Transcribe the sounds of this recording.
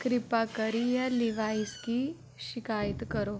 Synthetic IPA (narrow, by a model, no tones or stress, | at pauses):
kɾɪpakəɾijalɪʋaːiski | ʃɪkaːjət̪kəɾoː